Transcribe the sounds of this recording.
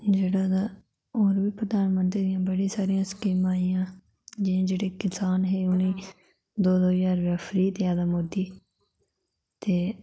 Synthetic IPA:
d͡ʒeːɽaːd̪aː | oːɾbiːpɾəd̪aːnmənt̪ɾiːd̪ɪjãːbəɽĩːsaːɾijãːskiːmaːiːãː | d͡ʒɪãːd͡ʒeːɽeːkɪsaːnɦeːʊnĩː | d̪oːd̪oːjaːɾʋaːpʰɾiːt̪eaːd̪amoːd̪iː | t̪eː

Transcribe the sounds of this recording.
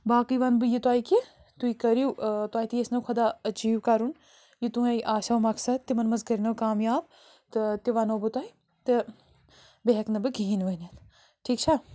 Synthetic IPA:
baːkiʋɐnbɨjit̪uaːiki | t̪uikɐɾijut̪waːit̪ijesnɐkʰɐd̪aːɐd͡ʒiːʋkɐɾun | jit̪uɐjʔaːsawmɐksɐd̪̚t̪ːimɐnmɐzkɐɾnɐwkaːmjaːb | t̪ɨt̪iʋɐnowbɨt̪aːi | t̪ɨ | beɦɐknɐbɨɡʱiːnʋɐnɐt̪ | ʈʰiːk̚t͡ʃʰa

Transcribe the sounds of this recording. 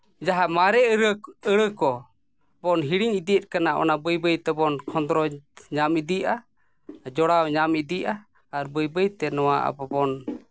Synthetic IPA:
d͡ʒaɦamaɾɛəɾəəɽəkɔ | bɔnɦiɽiɲid̪ijət̪̚ˀkanaʔɔ̰nabəjbəjt̪ɛbɔnkʰɔnd̪ɾɔɲamid̪iʔa | d͡ʒɔɽawɲamid̪iʔaː | ɾbəjbəjt̪ɛnɔwaʔa̰bɔbɔn

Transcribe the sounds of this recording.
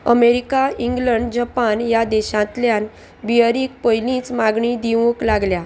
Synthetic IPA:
əmeɾikaiŋɡləɳɖd͡ʑapanjad̪eɕãt̪ljan | biəɾiːk̚pəjlĩːt͡smaɡɳid̪iʋũklaɡlja

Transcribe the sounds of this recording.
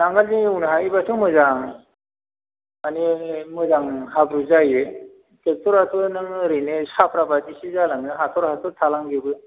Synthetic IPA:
naŋɡalziŋɯwnɯɦaibasʰɯŋmɯzaŋ | animɯzaŋɦabɾuzajɯ | tʰek̚tʰɔɾɦat̪ʰɯnɯŋɾɯnesapʰɾabatisizalaŋɯɦatʰɔɾɦat̪ʰɔtʰalaŋɡibɯ

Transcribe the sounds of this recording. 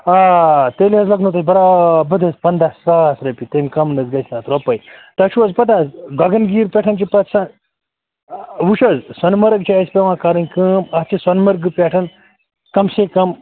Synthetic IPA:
at̪eliɦɐzlɐɡnot̪ɐsbɐɾabɐd̪ʱɐspɐnd̪aːsːaːsɾɐpit̪emʲkɐmnɐzɡɐsnaːt̪ɾopɐjt̪ɐʃuɐzpɐt̪̬aːzɡɐɡɐnɡiːɾpʲɛʈʰɐnt͡ʃipɐt̪san | ʋuʃɐzsɐnmɐɾɐɡt͡ʃʰaːisʲpʲeʋãːkaɾɐnkəːmɐt͡ʃisɐnmɐɾɡɨpʲeʈʰɐn | kɐmsekɐm

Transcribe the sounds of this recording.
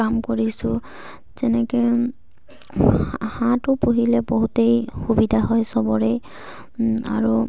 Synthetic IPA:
amkoɹisʊ | zɛnɛkɛ | hãtʊpuɦilɛboɦutejxubidʱaɦɔjsɔbɔɹej | a̰ɹu

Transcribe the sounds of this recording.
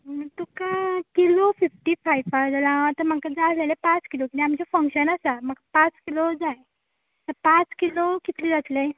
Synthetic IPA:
ət̪ukakilofifʈifajfaɾd͡zəlãt̪əm̤akad͡zalelepãt͡skilokit̪iamt͡ɕefə̃ŋkɕənasam̤akapãt͡skilod͡zaj | t̪əɾpãt͡skilokit̪lid͡zat̪le

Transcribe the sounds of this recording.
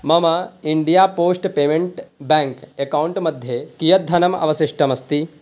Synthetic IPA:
mɐmɐiɳɖijaːpoːsʈpeːmeɳʈbɛːŋkekɐwɳʈmɐd̪ʱjekijɐt̪̚d̪ʱːɐnɐmɐ̰ʋɐsiʂʈʰɐmɐst̪i

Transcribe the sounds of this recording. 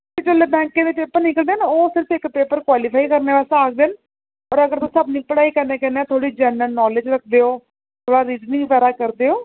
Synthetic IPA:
t̪ed͡ʒoːleːbɛ̃ːŋkẽːd̪eːpeːpəɾnɪkəld̪eːnoːsɪɾəfɪkːpeːpəɾkwaːliːpʰaːikəɾnẽːʋɛːsaaːk̚d̪eːn | əɾəɡəɾt̪õsəbnĩːpəɽaːikəɾneːkɛːneɛːt̪ʰoːɽiːd͡ʒɛːnəlnɔːled͡ʒɾək̚ʰd̪eːoː | t̪ʰoːɽaːɾiːd͡ʒnĩŋːpɛːɾaːkəɾd̪eːoː

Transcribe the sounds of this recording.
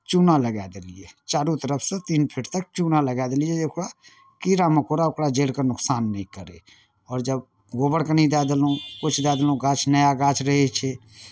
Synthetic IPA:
t͡ʃuːnaləɡɛːd̪eliet͡ʃaːɾut̪əɾəpʰsẽt̪iːnpʰɪʈt̪ək̚t͡ʃuːnaləɡaːd̪elieeʊkɽa | kiːɾamekoːɾaʊkɽad͡ʒeːɽkənʊksaːnːəɦĩkəɾḛ | ɔːɾd͡ʒəb | ɡoːbəɽkənĩd̪aːd̪əlõkʊt͡ʃʰd̪aːd̪əlõɡaːt͡ʃʰnəjaɡaːt͡ʃʰɾəɦet͡ʃʰɛ

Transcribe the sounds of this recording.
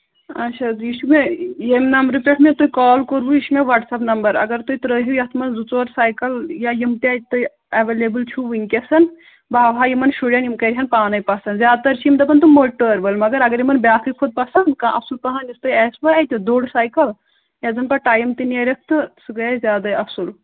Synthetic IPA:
ɐt͡ʃʰad̪jiːʃumejemnɐmbɾɨpʲeʈʰmet̪ujkɔːlkoɾbujiʃmeʋɐʈsɐpnɐmbɐɾɐ̰ɡɐɾt̪oit̪ɾəɦujɐt̪ʰmɐnzut͡soːɾsaːjkɐljajimt̪iat̪̚t̪u | ɐʋelebɨlt͡ʃʰuʋiŋkʲɐsɐn | baːʋajimɐnʃuɖɐnjimkɐɾʲiɦɐnpaːnɐjpɐsɐnzjaːd̪̚t̪ɐɾt͡ʃʰijimd̪ɐbɐnt̪umoʈəɾbɐlmɐɡɐɾɐɡɐɾimɐnbʲjaːkʰikʰod̪̚pɐsɐnkãʔɐsulpɐɦanist̪oiɛːsbɐajt̪d̪oːɽsaːjkɐl | jɐzɐnpɐʈaːjmt̪ineɾek̚ʰt̪ɨsɨɡɐzjaːd̪ɐɐsul

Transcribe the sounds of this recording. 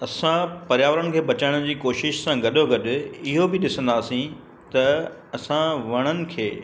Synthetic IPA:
ɐsãpɐɾjaːʋɾənɪ̆kʰeːbɐt͡ɕaːɪɽ̃ʊd͡ʑiːkoːʃɪʃsãɡɐɗoɡɐɗʊ̆ɪɦobɪɗɪsə̃nd̪aːsĩ | t̪ɐ | ɐsãʋɐɽ̃ənɪ̆kʰeː

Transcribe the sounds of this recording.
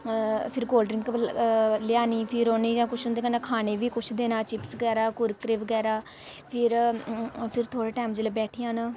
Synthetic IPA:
pʰɪɾɡoːlɖɾɪ̃ŋɡkəlɪjaːniːpʰɪɾoːneːd͡ʒãːkʊt͡ʃʰʊnd̪eːkanãkʰaːneːʋiːkʊt͡ʃʰd̪eːnaːt͡ʃɪpsɡɛːɾaːkʊɾkɾeːʋəɡɛːɾaː | pʰɪɾ | pʰɪɾt̪ʰoːɽeːʈaːmd͡ʒeːleːbɛːʈʰiːãːnaː

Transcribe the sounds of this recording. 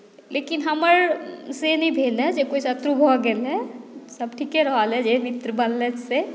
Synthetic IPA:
leːkɪnɦəməɾsenĩbʱeːled͡ʒekoːisət̪ɾubʱɔɡelɛsəb̚ʈʰikeɾəɦalɛd͡ʒemɪt̪ɾəbəllətse

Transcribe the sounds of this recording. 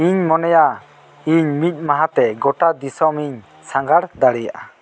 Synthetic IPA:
iɲmɔnɛja | iɲmic̪̚ˀmaɦat̪ɛɡɔʈad̪isɔmiɲ | saŋɡaɽd̪aɽɛja̰ʔa

